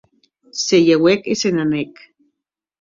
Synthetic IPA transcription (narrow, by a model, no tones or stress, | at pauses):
sejewekisenanek